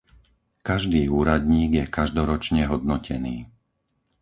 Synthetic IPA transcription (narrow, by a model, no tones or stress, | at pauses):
kaʒd̪iːuːɾad̪ɲiːɡjɛkaʒd̪ɔɾɔt͡ʃɲɛɦɔd̪̚nɔcɛniː